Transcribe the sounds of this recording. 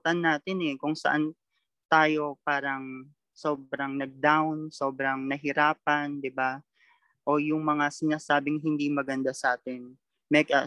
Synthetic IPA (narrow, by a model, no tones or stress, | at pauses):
t̪ɐnːaːt̪ɪnɛkʊŋsɐ̰ʔan | t̪aːjo̞paːɾɐŋ | so̞ːb̚ɾɐŋnɐɡ̚d̪awnso̞ːbɾɐŋnɐɦɪɾaːp̚ɐnd̪ɪba | ʔo̞jʊŋmɐŋasɪnaːsaːbɪŋɦɪnd̪imɐɡɐnd̪asɐʔaːt̪ɪn | mɛkɐ